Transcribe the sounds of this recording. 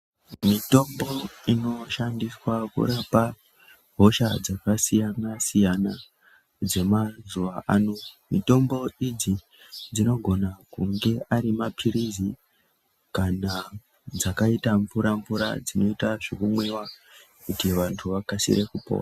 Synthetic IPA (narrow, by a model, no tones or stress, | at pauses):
mito̞mbo̞ino̞ʃandiswakṵɾapa | ɦo̞ʃad͡zakasijanasijana | d͡ze̞mazuʋaʔanomito̞mbo̞id͡zi | d͡zino̞ɡʱo̞nakuŋɡe̞ʔaɾimapʰiɾizi | kana | d͡zakaitaɱvuɾaɱvuɾa̰d͡zino̞itaʐikumwewa | kutiʋantʰuʋakasḭɾekupo̰ːra